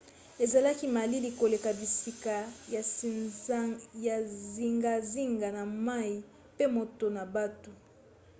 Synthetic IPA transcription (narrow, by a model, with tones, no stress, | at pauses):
e˨za˨la˦ki˦ma˨li˦li˨ko˨le˨ka˨bi˨si˦ka˨ja˨ | ja˨zi˦ŋɡa˨zi˦ŋɡa˨na˨ma˦i˨ | pe˦mo˨to˨na˨ba˦tu˨